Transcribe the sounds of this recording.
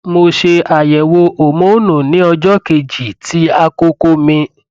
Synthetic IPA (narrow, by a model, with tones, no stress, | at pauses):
mo˧ʃe˧a˨jɛ˨wo˧ʔo˨mõ˨˦nũ˨nĩ˨˦ɔ˧d͡ʒɔ˦ke˧d͡ʒi˨tʰi˨˦a˧ko˦ko˦mĩ˧